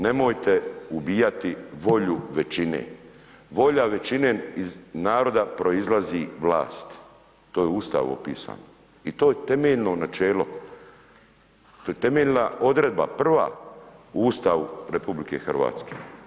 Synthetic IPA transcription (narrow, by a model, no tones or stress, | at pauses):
ne̞mojt̪e̞ubiːjat̪iʋo̞ʎuʋe̞t͡ʃinḛː | ʋo̞ʎaʋe̞t͡ʃineːiznaːɾo̞d̪apɾo̞izlaziʋla̰ːst̪ | t̪oːjeuːst̪a̰ʋo̰pḭːsa̰ːno | it̪oːjet̪e̞meʎno̞nat͡ʃeːlo | t̪ojet̪e̞me̞ʎʲnao̞d̪ɾed̪̚ba̰pr̩ʋa̰ | uːst̪aʋuɾepublike̞xrʋa̰ːt̪ske̥̰